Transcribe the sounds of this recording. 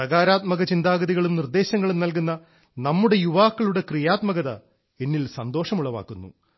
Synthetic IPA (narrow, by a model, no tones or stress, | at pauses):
rɐɣaːɾaːt̪̚mɐɣɐt͡ɕind̪aːɡɐðiɣɐɭumnird̪e̞ːɕɐŋːɐɭumnɐlk̬unːɐ | nɐmːuɽe̞juʋaːkːɐɭuɽe̞krijaːt̪̚mɐɣɐðɐ̰ | e̞nːilsɐnd̪o̞ːʂɐmuɭːɐʋa̰ːkːunːṵ